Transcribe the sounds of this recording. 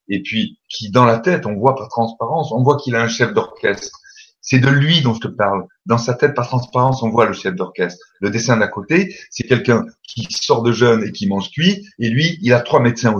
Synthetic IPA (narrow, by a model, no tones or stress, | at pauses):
epɥikʲʰid̪ɑ̃lat̪ɛt̪ɔ̃vwapaʁt̪χɑ̃spaʁɑ̃sɔ̃vwakilaɛ̃ʃɛfd̪ɔʁkʲɛst̪χ | sɛd̪əlɥid̪ɔ̃ʒət̪əpaʁl | d̪ɑ̃sat̪ɛt̪̚paʁt̪χɑ̃spaʁɑ̃sɔ̃vwaləʃɛfd̪ɔʁkʲɛst̪χ | ləd̪esɛ̃d̪akot̪esɛkʲɛlkɛ̃kʲʰisɔʁd̪əʒœnekʲimɑ̃ʒkɥielɥiːlat̪χwamɛt̪sɛ̃o